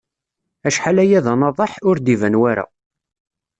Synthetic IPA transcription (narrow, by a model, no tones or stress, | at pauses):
æʃħalæjæðɑnɑðˤɑħʊɾd̪ivænwæɾa̰